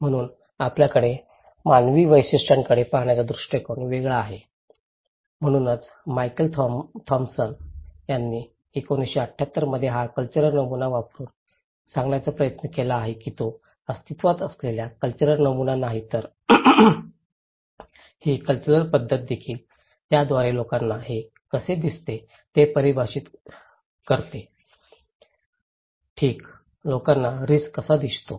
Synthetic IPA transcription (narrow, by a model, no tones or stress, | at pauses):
m̤əɽ̃uːn | apljakəɽe | manʋiːʋəjɕeʂʈaŋkəɽepaɦɳjat͡sad̪ɾuʂʈekoɳʋeɡɭaːɦe | m̤əɽ̃uːnət͡s | majkəlt̪ʰt̪ʰɔmsənjanːiː | ekoniɕeəʈʰjat̪ːəɾməd̪ʱjeɦakəlt͡ɕəɾəɾnəmunaʋapɾuːn | sãŋɡɳjat͡sapɾəjət̪nəkelaːɦekiːt̪o | əst̪it̪ʋat̪əsleljakəlt͡ɕəɾəɾnəmunanaɦit̪əɾ | hiːkəlt͡ɕəɾəɾpəd̪ʱːət̪̚d̪ekʰiːl | t̪jad̪ʋaɾelokanːaɦe | kəsed̪ist̪e | t̪epəɾibʱaɕiːt̪ | kəɾt̪e | ʈʰiːk | lokanːaɾiskəsad̪ist̪o